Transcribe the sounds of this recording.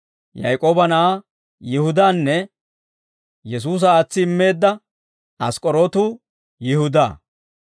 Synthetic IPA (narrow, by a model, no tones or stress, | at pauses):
jɐ̰jkʼoːbɐna | jɪhʊd̪aːnːɛ | jɛs̬uːs̬ɐaːt͡sːɪɪmːe̞ːd̪ːɐ | ɐskʼɔɾoːt̪uː | jɪhʊd̪a̰ː